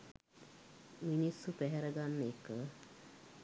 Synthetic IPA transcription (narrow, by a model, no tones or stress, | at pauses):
minisːupæɦɛɾəɡanːekə